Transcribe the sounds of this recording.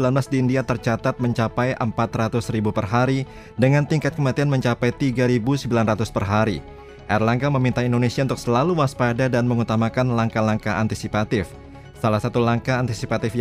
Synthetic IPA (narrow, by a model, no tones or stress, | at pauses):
lanblasdiːndiat̪ərt͡ʃat̪at̪̚məɲt͡ʃapajʔəmpat̪rat̪ʊsɾibupərɦaɾi | dəŋant̪iŋkat̪̚kəmat̪ianməɲt͡ʃapajt̪iɡaɾibusəmbilanrat̪ʊspərɦaɾi | ʔɛrlaŋkaməmint̪aindonesiaunt̪ʊuk̚səlaluwaspadadanməŋut̪amakanlaŋkalaŋkaʔant̪isipat̪ɪf | salahsat̪ulaŋkaːnt̪isipat̪ɪf